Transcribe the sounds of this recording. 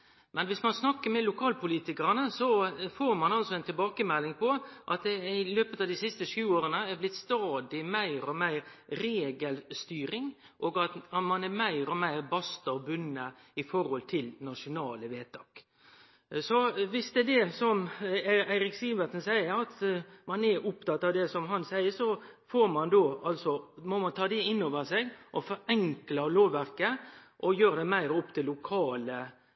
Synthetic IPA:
mʔɛnʋɪsmɑnsnɑkːəɾmɛlʊkʰɑːlpʊliːt̪ɪkəɾɑnəsɔfoːɾmɑnɑlsɔɛɪnt̪ɪlbɑːkəmɛlːɪŋpʰɔʔɑt̪̚d̪ɛɪløːpət̪ɑd̪ɪsɪst̪əʂʉːoːɾənəæɾblɪt̪st̪ɑːd̪ɪmæɪɾɔmæɪɾɾeːɡəlst̪yːɾɪŋ | ʔɔːɡɑt̪mɑnæmæɪɾɔmæɪɾbɑst̪ɑɔbʉnːəɪfɔɾhɔlt̪ʰɪlnɑʂʊnɑːləʋeːt̪ʰɑːk | sɔʋɪsd̪ɛd̪ɛsɔmæɪɾɪksiːbət̪ənsæɪəɾɑt̪mɑnɛɾʊpt̪ɑt̪ːɑʋd̪ɛsɔmɦɑnsæɪəsɔfoːɾmɑnd̪oːɑlsɔmɔmɑnt̪ʰɑːd̪ɛɪnːoːʋəsɛɡʔɔfɔɾɛŋklɑloːʋæɾkəʔɔjøːɾd̪ɛmæɪɾɔpːt̪ʰɪlːʊkʰɑːlə

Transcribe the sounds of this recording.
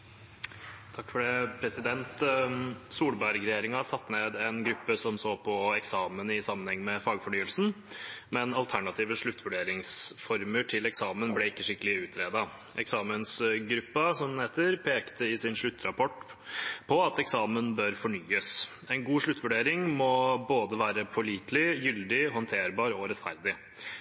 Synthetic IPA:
t̪ʰɑkːfɔɖɛpʰɾɛsɪd̪ɛnt̪ | suːlbæɾɡɾɛjeːɾɪŋɑsɑt̪ːneːd̪ɛnɡɾʉpːəsɔmsoːpʰɔɛksɑːmənɪsɑmːənhɛŋːmɛfɑːɡfɔɳyːəlsn̩ | mɛnɑlt̪ʰæɳɑt̪ʰiːʋəʂɭʉt̪ːʋʉɖeːɾɪŋsfɔɾməʈʰɪlɛksɑːmənblɛɪkːəʂɪkːəlɪʉːt̪ʰɾeːd̪ɑ | ʔɛ̰ksɑːmənsɡɾʉpːɑsɔmd̪nheːt̪əɾpʰeːkt̪ʰəɪsɪnʂɭʉt̪ːɾɑpɔʈpʰɔɑt̪ɛksɑːmənbœɾfɔɳyːəs | ɛɪnɡuːʂɭʉt̪ːʋʉɖeːɾɪŋmɔboːd̪əʋæːɾəpʰɔɭiːt̪lɪjʏld̪ɪɦɔnt̪ʰeːɾbɑːɾɔɾɛt̪fæɾd̪ɪ

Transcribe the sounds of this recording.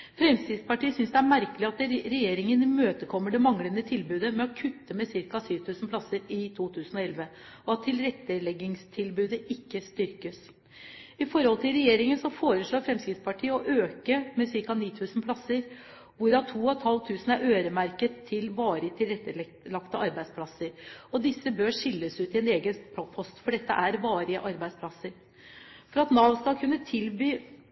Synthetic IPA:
fɾɛmskɾɪd̪spɑʈiːəsʏnsd̪ɛæɾmæɾkəlɪɑt̪ɾɛjeːɾɪŋənɪmøːt̪əkʰɔmːəɖɛmɑŋlənət̪ʰɪlbʉːd̪əmɛɔkʰʉt̪ːəmɛsɪɾkɑsyːʋt̪ʰʉːsn̩plɑsːəɾɪt̪ʰuːt̪ʰʉːsənɔɛlʋə | ɔɑt̪ʰːɪlɾɛt̪ːəlɛɡɪŋst̪ʰɪlbʉːd̪əʔɪkːəst̪ʏɾkəs | ɪfɔɾhɔlt̪ʰɪlɾɛjeːɾɪŋənsɔfoːɾəʂɭoːɾfɾɛmskɾɪt̪spʰɑʈʰiːəɔʔøːkəmɛsɪɾkɑniːt̪ʰʉːsnpʰlɑsəɾ | ʋʊɾɑt̪ʰuːɔt̪ʰɑlt̪ʰʉːsnæɾøːɾəmæɾkət̪ʰːɪlʋɑːɾət̪ʰɪlɾɛt̪ːə | lɑkt̪əʔɑɾbæɪd̪spʰlɑsəɾɔd̪ɪsːəbøːʂɪlːəsʉːt̪ɪɛneːɡənp̪ʰɔpʰɔst̪fɔɖɛt̪ːə̰ʔæɾʋɑːɾəʔɑɾbæɪspʰlɑsəɾ | fɔɾɑt̪nɑːʋst̪ɑkʰʉnːət̪ʰɪlbyː

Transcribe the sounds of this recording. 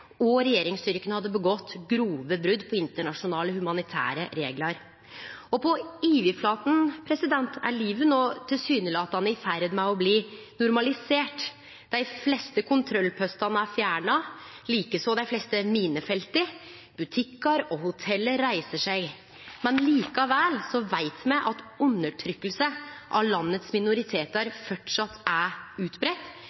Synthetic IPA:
ɔɾɛjeːɾɪŋst̪ʏɾkənəhɑd̪ːəbəɡɔt̪ːɡɾuːʋəbɾʉd̪pʰɔɪnt̪əɳɑʂʊnɑːləhʉmɑnɪt̪ʰæ̰ːɾəɾḛːɡlɑɾ | ɔpɔiːʋɪflɑːt̪n̩pʰɾɛsɪd̪ɛnt̪ʰæ̰ɭiːʋənoːt̪ʰɪlsyːnəlɪɑt̪ɑnɪfæɾd̪mæɪɔbliː | nʊɾmɑlɪseːʈ | d̪̥æɪflɛst̪əkʰʊnt̪ʰɾɔlːpʰœst̪ɑnəæɾfjæːɳɑ | liːkəsɔd̪æɪflɛst̪əmiːnəfɛlt̪ɪ | b̥ʉt̪ʰɪkːɑɾɔɦʊt̪ʰɛlːəɾɾæɪsəʂæɪ | mɛnliːkɑʋæːlsɔʋæɪt̪mæʔɑt̪ʉnːəʈʰɾʏkːəlsəʔɑ̰ʋlɑnːət̪smɪnʊɾɪt̪ʰeːt̪ɑɾfɔʈʂɑt̪ʰːæʉːt̪bɾɛt̪ː

